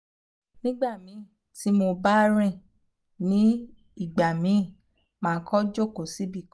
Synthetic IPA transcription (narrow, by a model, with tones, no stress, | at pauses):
nĩ˦ɡ͡ba˦˨mĩ˨˦˨ | ti˨˦mo˧ba˦ɾ̃ĩ˦˨ | nĩ˨˦ | i˦˨ɡ͡ba˨mĩ˨˦˨ | mãː˨˦kʰɔ˦d͡ʒo˦˨ko˨si˨˦bi˦˨k